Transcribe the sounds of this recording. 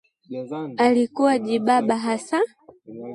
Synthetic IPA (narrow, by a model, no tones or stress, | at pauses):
alikuwaʄiɓaɓaɦasa